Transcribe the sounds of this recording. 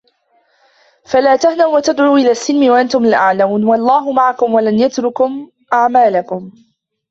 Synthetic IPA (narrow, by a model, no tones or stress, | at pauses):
falaːt̪ahnawwat̪ad̪ʕuːʔɪlaːsːɪlmɪwaʔant̪ʊmlʔaʕlamuːnwalˤːɑːɦʊmaʕakʊmwalanjat̪ɾʊkʊm | ʔaʕmaːlakʊm